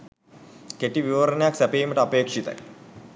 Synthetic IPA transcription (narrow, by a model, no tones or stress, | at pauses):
keʈiʋiʋɐɾɐnejaksæpeiməʈəɐpeːkʂit̪ɐ̰j